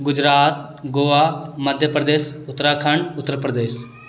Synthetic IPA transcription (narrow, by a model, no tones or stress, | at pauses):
ɡʊd͡ʒɾaːt̪̚ɡoːʋaːmɐd̪ʱjəpɾəd̪eːsʊt̪ːɾaːkʰɐɳɖʊt̪ːəɾpɾəd̪eːs